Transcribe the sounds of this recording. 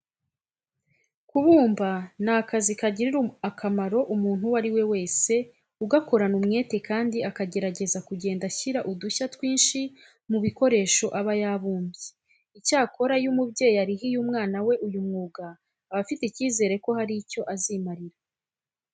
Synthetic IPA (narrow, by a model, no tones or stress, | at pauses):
kuβuːmban̥aːkazikaɟiɾiɾuakʰamaɾo̞ʔumuːn̥huwaɾiwe̞we̞ːse̞ | uɡako̞ɾanumŋe̞ːte̞kaːndiakaɟe̞ɾaɟe̞zakuɟe̞ːndaçiɾaʔuduçatwiːnʃi | muβiko̞ɾe̞ːʃo̞ʔaβajaβuːmbje | icaːko̞ɾajumubɟe̞ːjiaɾiɦijuːmŋaːnawe̞ʔujumŋuːɡaː | βafiteiciːze̞ːɾe̞ko̞haɾico̞ʔaziːmaɾiɾa